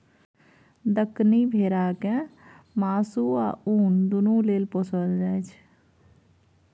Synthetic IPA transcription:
d̪əknibʱeːɾaːkẽ | maːsua̰uːnd̪unũleːlposəld͡ʒɛːt͡ʃʰ

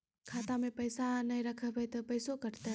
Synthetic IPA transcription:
kʰat̪amẽpəjsanəjɾəkʰəbət̪əpəjsokəɾt̪ə

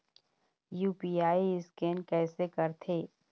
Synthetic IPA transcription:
juːpiːaːiɪskɛːnkɛːsekɐɾt̪ʰeː

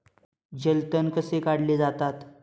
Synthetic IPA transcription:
d͡ʑəlt̪ənkəsekaɽ̤led͡zat̪at̪

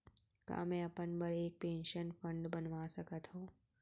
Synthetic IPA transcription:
ka̰ːmẽɐpənbəɾeːk̚pẽːnʃənfʰə̃ɳɖbənʋasɐkət̪ɦõː

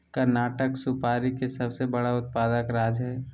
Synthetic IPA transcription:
kəɾnaːʈəksʊpaːɾikesɐbsebɐɽaʊt̪̚paːd̪əkɾaːd͡ʒɦɛː

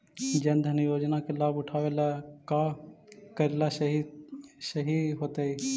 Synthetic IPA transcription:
d͡ʒɐ̃nd̪ʱənijoːd͡ʒnakelaːbʊʈʰaːʋelaka | kəɾelasɦisəɦiɦoːt̪ei

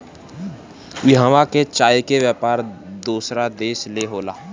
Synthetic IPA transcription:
ɪɦãːʋaket͡ʃaːjkewjaːpaːɾd̪uːsɾad̪eːsleɦoːlaː

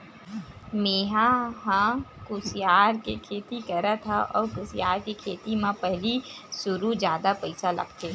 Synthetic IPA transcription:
meːɦaɦãkʊsjaːɾkekʰeːt̪ikɐɾat̪ʰaʔɔ̰ːɾkʊsijaːɾkekʰeːt̪imãpɛɦlisʊɾud͡ʒjaːd̪apɐɪsalɐ̰ɡt̪ʰeː

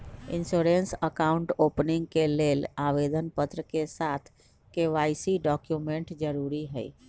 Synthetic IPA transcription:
insoɾensəkauɳʈopniŋɡkelelaʋed̪ənpət̪ɾəkesat̪ʰ | keʋajsiɖɔkjumeɳʈd͡ʒəɾuɾiɦə̰j

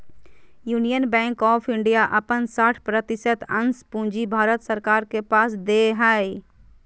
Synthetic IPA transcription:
juːnijənbɛ̃ːŋkɔːpʰɪ̃ɳɖijaʔɐpənsaːʈʰpɾət̪ɪsət̪ə̃nspũːnd͡ʒibʱaːɾət̪səɾkaːɾkepaːsd̪eɦaːi

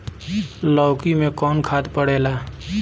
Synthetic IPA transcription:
lɔːkimẽkɔːnkʰaːd̪pəɽ̤eːlaː

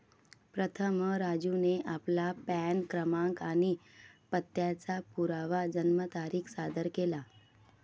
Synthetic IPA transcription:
pɾət̪ʰəmɾad͡ʑuneʔaplapɛnkɾəmãŋkanipət̪ːjat͡sapuɾaʋad͡ʑənmət̪aɾiːkʰsad̪ʱəɾkela

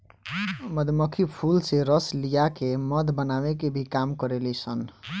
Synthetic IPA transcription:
məd̪ʱməkʰipʰulseɾəslijakeməd̪bənabekebʱikamkəɾelɛsən

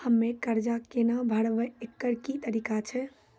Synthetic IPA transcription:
həmːekəɾd͡ʒakenabʱəɽʋəekːəɾkit̪əɾikat͡ʃʰɛ

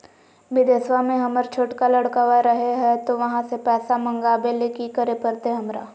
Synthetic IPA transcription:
bɪd̪esʋamẽɦɐməɾt͡ʃʰoːʈkalɐɽkaʋaɾɐɦeɦɛt̪oʋɐɦãsepɛːsamɐ̃ŋɡaːbelekikəɾepɐɾt̪eɦɐmɾa̰ː

